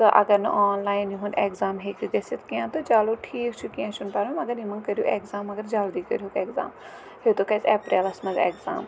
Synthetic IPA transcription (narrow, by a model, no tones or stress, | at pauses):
t̪ɐʔɐ̰ɡɐɾnɐ̰ʔaːnlaːiniɦũneːkzaːmɦekɡɐset̪ʰkijãːt̪od͡ʒaːloʈʰiːkt͡ʃʰukijãːt͡ʃʰunpaːɾmɐɡɐɾimɐ̃ŋkɐɾijoːʔeːkzaːmːɐɡɐɾd͡ʒaːld̪ikɐ̰ɾjokeːkza̰ːm | het̪okɐsɛːpɾeːlɐsmɐzḛːkza̰ːm